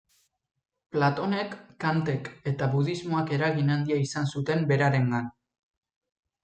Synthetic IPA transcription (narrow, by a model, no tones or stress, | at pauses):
plat̪o̞ne̞kːant̪e̞ke̞t̪aβuðizmo̞ake̞ɾaɣinand̪iaisansut̪e̞mbe̞ɾaɾe̞ŋɡan